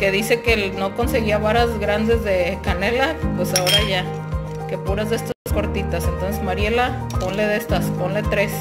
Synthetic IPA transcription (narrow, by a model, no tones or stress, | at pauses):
ke̞ðise̞ke̞no̞ko̞nse̞ɣiaβaɾazɣɾand̪e̞zðe̞kane̞lapwe̞sao̞ɾaʝa | ke̞puɾazðest̪asko̞ɾt̪it̪ase̞nt̪o̞nsezmaɾje̞la | po̞nle̞ðe̞st̪aspo̞nle̞t̪ɾe̞s